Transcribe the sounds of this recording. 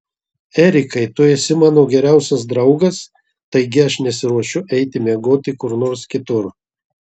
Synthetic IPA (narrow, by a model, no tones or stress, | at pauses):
ɛɾʲɪkɐɪt̪ʊɛsʲɪmɑnoːɡʲɛɾʲæˑʊsʲɐs̬d̪ɾɐʊɡɐs | t̪ɐɪɡʲɪɐʃnʲɛsʲɪɾuɔʃʲʊʔɛɪt̪ʲɪmʲiɛɡoːt̪ʲɪkʊɾnoːɾskʲɪt̪ʊɾ